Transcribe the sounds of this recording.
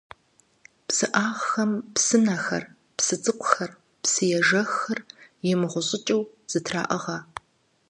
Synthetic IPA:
psɨʔaːʁxɐmpsɨnɐxɐ̰r | psɨt͡sʼɨqʷʰʼʊxɐr | psɨjɛʒɐxɨrjɛmɨʁʷʊɕʼɪt͡ʃʼɪw | z̥ɨtʰra̰ːʔɐʁɐ

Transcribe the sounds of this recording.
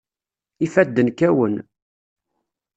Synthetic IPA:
ifæd̪ːənkæwən

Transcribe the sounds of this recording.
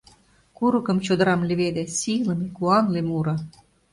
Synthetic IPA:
kuɾə̆kɤ̆mt͡ɕod̪ɤ̆ɾɑmlʲĕβed̪esilə̆mekuɑnlemuɾɑ

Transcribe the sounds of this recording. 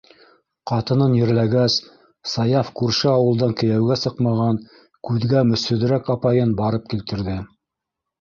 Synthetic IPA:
qɑt̪ɤ̆nɤnjɘ̆ɾlæɡæs | sɑjɑfkʉɾʃɘɑwɤ̆lˠd̪ɑŋkɘ̆jæwɡæsɤqmɑʁɑŋ | kʉðɡæmɵ̆sɵ̆ðɘ̆ɾækɑpɑjɤnbɑɾɤp̚kilt̪ɘ̆ɾðɘ

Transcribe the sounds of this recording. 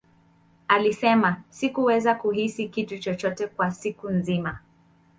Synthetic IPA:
alisɛmasikuwɛzakuɦisikitut͡ʃɔt͡ʃɔtɛkwasikunzima

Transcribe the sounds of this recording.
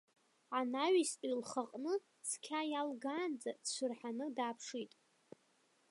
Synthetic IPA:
anaɥistʼilχaqʼnɨ | skʲʰajalɡaːnd͡zadt͡ʃʷʰɨrħanɨdaːpʰʂitʼ

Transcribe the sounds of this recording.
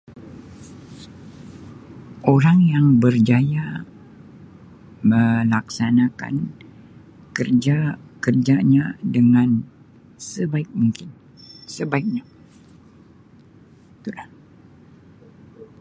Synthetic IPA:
oɾaŋjaŋbərd͡ʒaja | məlaksanaka̰n | kərd͡ʒakərd͡ʒaɲadəŋan | səbaɪk̚muŋkɪn | səbaɪk̚ɲa | it̪ulah

